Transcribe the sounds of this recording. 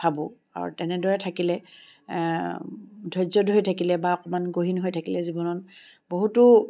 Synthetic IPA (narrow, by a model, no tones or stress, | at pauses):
pʰabʊ | a̰ɹṵtɛnɛdɔɹɛtʰakilɛ | dʱɔjzɔdɦojtʰakilɛbaɔkɔmanɡoɦinɦojtʰakilɛzibɔnɔn | boɦutʊ